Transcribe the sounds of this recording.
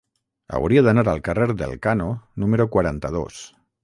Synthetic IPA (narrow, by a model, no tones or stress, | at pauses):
a̰wɾiaðanaɾalˠkareɾðḛlˠkanonumeɾokwaɾant̪aðo̰s